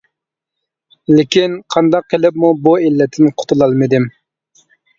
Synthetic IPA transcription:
lɪkʲinqʰɑnd̪ɑqːelɪpmubuilːɛt̪ʰːɪnqʰʊ̥t̪ʰulˠɑlˠmɪd̪ɪm

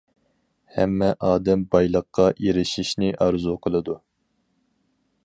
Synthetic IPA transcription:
hɛ̰mːɛʔɑːd̪ɛmbɑjlˠəqːɑʔeɾɪʃiʃnɪʔɑɾzuqʰəlˠɨd̪u

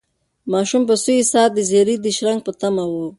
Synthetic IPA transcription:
mɑʃumpəsuisɑːd̪əzeɾid̪əʃɾaŋɡ̚pət̪amawo

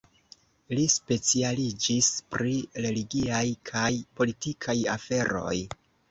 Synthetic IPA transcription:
lispe̞t͡sialid͡ʒispɾiɾe̞liɡiajkʰajpo̞litikʰajafe̞ɾo̞̰j

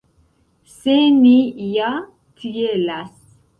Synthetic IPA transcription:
senija | t̪ʰijelas

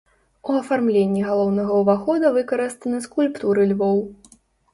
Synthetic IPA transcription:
uɐfarmlʲenʲːiɣalˠɔwnɐɣɐuvaxɔd̪ɐvɨkɐɾɨst̪ɐnɨskulʲpt̪uɾɨlʲvɔw

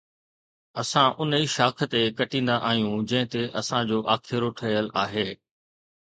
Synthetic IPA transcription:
ɐsãʔʊniːʃaːkʰə̆t̪ekɐʈĩːn̆d̪aʔaːɦijũd͡ʑɐ̃ɦɪ̃t̪eʔɐsãd͡ʑoːʔaːkʰɪɾoʈʰɐjəlaːɦeː

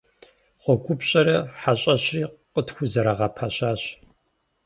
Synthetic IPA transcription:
χʷɔkʷʰʼʊpɕʼɐɾɐħaɕʼɐɕriːqətxʷʊzɐɾaʁɐpʰaɕaːɕ

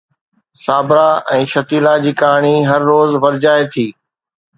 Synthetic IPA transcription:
saːbɾaɛ̃ːʃɐt̪iːlad͡ʑiːkaːɳ̃iɦɐɾːoːzʋɐɾd͡ʑaːet̪ʰiː

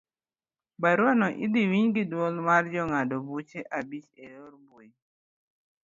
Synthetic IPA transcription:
baɾwanɔʔḭdiwiɲɡɪdwɔlmard͡ʒɔŋadɔbut͡ʃeʔabit͡ʃeɾoɾbwo

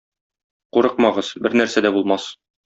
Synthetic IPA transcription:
quɾɤqmɑʁɤz̥bɘɾnæɾsæd̪æbulˠmɑs

